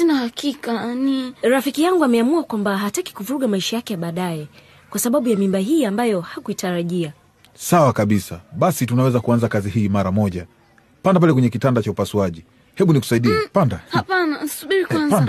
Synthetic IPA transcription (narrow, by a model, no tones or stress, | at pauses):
tɛnahakikaniɾafikijaŋɡuamɛamuakwambaɦataki̥kuvuɾuɠamaiʃajakɛjaɓaːɗajɛ | kwasaɓaɓujamimbaɦiːambajɔhakuitaɾaʄia | sawakaɓisaɓasitunawɛzakuanzakazihiːmaɾamɔʄa | pandapalɛkwɛɲɛkitandat͡ʃaupasuaʄi | hɛɓuniku̥saiɗiɛpandahapanansuɓiɾikwanpan